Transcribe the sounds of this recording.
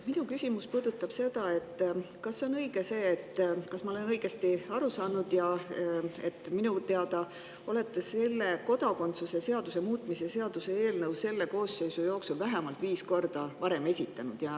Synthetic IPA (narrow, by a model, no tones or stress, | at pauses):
minukysʲimuspuːd̪̥ut̪ːˑɑb̥se̞d̪̥ɑe̞t̪ːˑ | kɑsːo̞nɤiɡ̥ese̞ːt̪ːkɑsmɑo̞lenɤiɡ̥e̞st̪iɑɾusɑːnud̪̥jɑ | e̞̰t̪ːˑminut̪eɑd̪ɑ | o̞le̞t̪ːese̞lːe̞ko̞d̪ɑko̞nt̪suse̞se̞ɑd̪̥use̞muːt̪ˑmisese̞ɑd̪̥use̞eːlnɤwse̞lːe̞ko̞ːsːe̞jsujo̞ːksulvæɦemɑlt̪viːsko̞rd̪̥ɑvɑɾe̞me̞sʲit̪ːˑɑnud̪̥jɑ